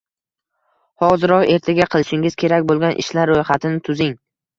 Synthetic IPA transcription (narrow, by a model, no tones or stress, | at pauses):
hɒzɪɾɒqe̞ɾt̪ʰaɡʲaqʰɨlɪʃɪŋɪz̥kʲʰe̞ɾakʲbolˠɡʲanʔɪ̰ʃlaɾːojχat̪ʰɪnɪt̪ʰʊzɪŋ